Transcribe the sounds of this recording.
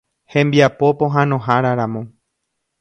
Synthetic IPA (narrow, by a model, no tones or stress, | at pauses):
hẽmbiapo̞põɦãnõ̞ɦaɾaɾãmõ